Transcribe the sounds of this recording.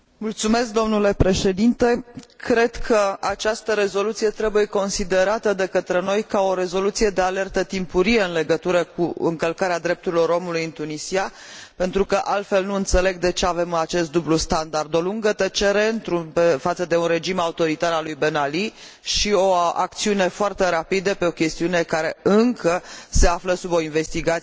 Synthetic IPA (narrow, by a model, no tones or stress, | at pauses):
mult̪sume̞sk̚d̪omnule̞pɾe̞ʃe̞d̪int̪e̞kɾe̞d̪kʰəat͡ʃast̪əɾe̞zo̞lut̪sije̞t̪ɾe̞buje̞ko̞nsid̪e̞ɾat̪əd̪e̞kət̪ɾe̞no̞jkao̞ɾe̞zo̞lut̪sije̞d̪e̞ale̞rt̪ət̪impuɾije̞ɨnle̞ɡət̪uɾəkuɨ̰ŋkəlkaɾead̪ɾe̞p̚t̪uɾilo̞ɾo̞mulujɨnt̪unisia | pe̞nt̪ɾukəʔalt̪fe̞lnuɨnt̪sele̞ɡd̪e̞t͡ʃe̞ave̞mat͡ʃe̞st̪̚d̪ublust̪and̪ard̪o̞luŋɡət̪ət͡ʃe̞ɾe̞ɨnt̪ɾupefat̪səd̪e̞unre̞d͡ʒimaut̪o̞ɾit̪aɾalujbenali | ʃio̞a̰k̚t̪siune̞foart̪e̞ɾapid̪əpe̞o̞kʲe̞st̪iune̞kaɾe̞ɨŋkʰəse̞afləsubo̞inve̞st̪iɡat